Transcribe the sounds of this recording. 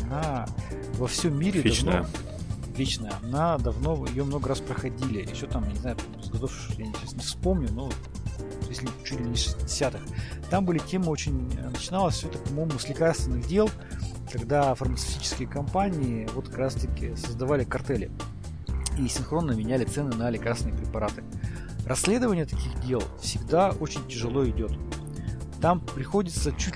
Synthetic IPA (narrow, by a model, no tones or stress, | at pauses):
ɐna | vɐfsʲomːʲiɾʲɪd̪ɐvno | lʲit͡ɕnəjəɐnad̪ɐvno̞jɪjo̞mno̞ɡəɾaspɾəxɐdʲilʲɪɪɕot̪amjanʲɪzajʊp̪ | zɡɐt̪ofʂt̪ojaɪnʲɪɾʲesnəfspo̞mnʲʊnot̪ | jesʲlʲɪt͡ɕut̪ʲlʲɪmʲɪnʲɪʂɨ̥sʲtʲɪdʲɪsʲat̪ɨxt̪ambɨlʲɪtʲe̞mɨo̞t͡ɕɪnʲənət͡ɕɪnalˠəsʲɛt̪əpɐmo̞jmʊsʲlʲɪkarst̪vʲɪnːɨɣdʲe̞lˠ | kɐɡd̪afərmət̪sɨ̥fʲtʲit͡ɕɪ̥skʲɪjəkɐmpanʲɪɪvo̞t̪kɐkɾast̪əkʲɪsəzd̪ɐvalʲɪkɐrt̪ɛlʲɪ̰ | isʲɪnxɾo̞nːəmʲɪnʲælʲɪt̪sɛnɨnɐlʲɪkaɾrsʲnɨəpɾʲɪpɐɾat̪ɨ | rɐsʲːlʲe̞d̪əvənʲɪjət̪ɐ̥kʲixdʲe̞lˠfsʲɪɡd̪ao̞t͡ɕɪnʲtʲɪʐɨlˠo̞ɪdʲo̞t̪ | t̪ampɾʲɪxo̞dʲɪt̪sət͡ɕutʲ